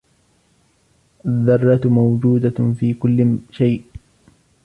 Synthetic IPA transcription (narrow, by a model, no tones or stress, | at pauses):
ʔaðːɑrˤːɑt̪mawd͡ʒuːd̪afiːkʊlːɪʃajʔ